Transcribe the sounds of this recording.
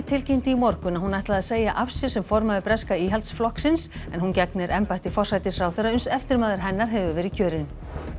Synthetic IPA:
t̪ʰɪlcejn̥t̪ɪimɔɾkʏnahɦunajht̪laðaðseːjaʔafsɪɾ̥sɛmfɔɾmaðɪpɾɛskaiːɦalt̪sflɔhksɪnsɛnhɦuncɛknɪɾʔɛmpajt̪ɪfɔr̥sajt̪ɪsɾaːwθœɾaʏnsɛft̪ɪɾmaːðɪɾ̥ɦɛnːaɾ̥ɦɛvʏvɛːɾɪcʰœːɾɪn

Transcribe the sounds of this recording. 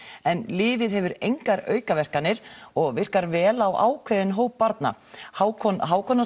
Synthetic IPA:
ɛnlɪːvɪðɦɛvʏɾejŋkaɾœ̰ːɥkavɛr̥kanːɪɾ̥ɔɣvɪr̥kaɾvɛːlawʔa̰ːwkʰvɛːðɪnɦoːwpːaɾt̪na̰hawʰɔɦawkʰɔnːa

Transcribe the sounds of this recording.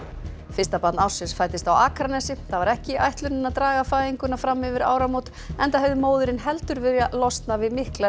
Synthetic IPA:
fɪst̪apat̪nawsɪsfaːjt̪ɪst̪awaːkɾanɛsɪθavaɾɛhcɪʔajht̪lʏnɪnaðt̪ɾaːɣafaːjiŋkʏnafɾamːɪvɪɾa̰ːwɾamowt̪ | ɛnt̪aɦɛvðɪmoːwðʏɾɪnɦɛlt̪ʏɾvɪɾjalɔst̪navɪðmɪhklɛ

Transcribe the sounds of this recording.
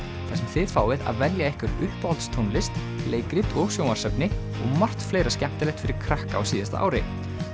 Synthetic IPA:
θḁsɛmθɪðfaːwvɪða̰ðvɛljaɛhkvʏɾʏhpalt̪st̪ʰownlɪst̪ | lʔeːjkɾɪt̪ɔɣsjowmḁsɛpnɪ | ɔ̰ɣmar̥t̪fleːjɾascɛm̥t̪ɪlɛht̪fɪɾɪɾ̥kʰɾahkaa̰wsiːðɪst̪a̰ʔa̰wɾɪ̰

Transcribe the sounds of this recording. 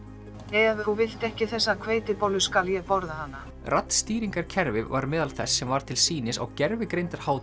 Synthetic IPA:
ɛjavɪuvɪl̥t̪ɛhcɪθɛsːakʰveːjt̪ɪpowlʏskaljɛðpɔɾðahanːa | rʔat̪n̥st̪iːɾiŋkaɾ̥cʰɛɾvɪvaɾmɛːðalθɛsːɛmvaɾ̥t̪ʰɪlsiːnɪsa̰ɣcɛɾvɪkɾejnt̪aɾ̥haːwt̪

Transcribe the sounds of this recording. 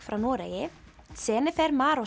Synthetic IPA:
fɾawnɔːɾɛ̰ːjɪsɛːnɪθɛɾmaːɾɔ

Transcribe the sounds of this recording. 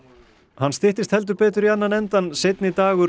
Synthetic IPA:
hanːst̪ɪht̪ɪst̪hɛlt̪̬ʏɾpɛːt̪ʏɾianːanɛnt̪ansejt̪nɪt̪aːɣʏ

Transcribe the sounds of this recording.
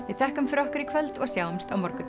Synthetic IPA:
vɪðθɛhkʏmfɪɾɔhkʏɾikʰvœlt̪ɔɣsjaːwʏmst̪awmɔɾkʏ

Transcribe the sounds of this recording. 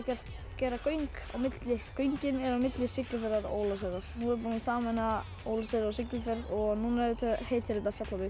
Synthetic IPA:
cɛr̥t̪ | cɛːɾakœɥŋka̰wmɪt̪lɪkœjɲcɪmɛɾawmɪt̪lɪsɪklɪfɛɾðaɾo̰ːwlasɛɾaɾ̥nuɛɾpɔnsaːmɛna | owlasɛðɾaɾɔsɪklʏfɛɾðɔɣnuːnaɛɾɪt̪ʰɛheːjt̪hɪɾɪt̪afjat̪lavɪ

